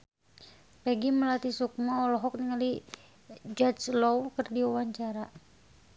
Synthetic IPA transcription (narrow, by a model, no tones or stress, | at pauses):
pɛɡiməlat̪isuk̚mɔːlɔɦɔk̚niŋali | d͡ʒɔt͡ʃlɔwkərdiuwaɲt͡ʃaɾa